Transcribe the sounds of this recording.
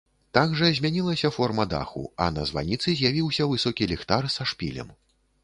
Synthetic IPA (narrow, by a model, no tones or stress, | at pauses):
t̪aɡʐɐzʲmʲanʲilˠɐsʲɐfɔrmɐd̪a̰xṵɐ̰nɐzva̰nʲit̪sɨzʲjavʲiwsʲɐvɨsɔkʲilʲɛxt̪arsaʂpʲḭlʲɐ̰m